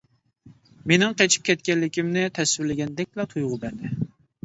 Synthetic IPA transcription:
menɪŋqʰɛt͡ʃʰi̥p̚kʲʰɛt̪̚kʲɛllɪkʲimnɪt̪ʰɛswɪɾlɪɡʲɛnd̪ɛk̚ʲblɛt̪ʰujʁʊbæɾd̪ɪ

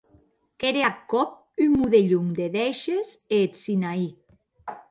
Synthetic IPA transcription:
keɾeakːɔp̚ | ymuðeʎumd̪eðɛʃezeːt̪sinai

